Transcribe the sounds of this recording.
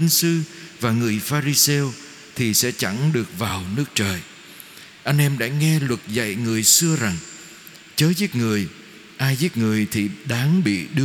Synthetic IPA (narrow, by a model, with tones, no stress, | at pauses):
i˨˧˦ŋsɨ˧vaː˨˩ŋɨ˨˩əjfaː˧ɾi˧sɛ˧w | t̪ʰi˨˩sɛ̰˧˥t͡ɕa̰˧˩ŋɗɨ˨˩ək̚vaː˨˩wnɨ˦˥ək̚t͡ɕəː˨˩j | ʔa˧jŋ̟ʔɛ˧mɗa̰ː˧˥ŋɛ˧lwə˨˩t̚za̰˧˨jŋɨ˨˩əjsɨ˧əza˨˩ŋ | t͡ɕəː˨˦zi˦˥t̚ŋɨ˨˩əj | ʔaː˧jzi˦˥t̚ŋɨ˨˩əjt̪ʰi˨˩ɗaː˨˦ŋɓḭ˧˨ɗɨ˧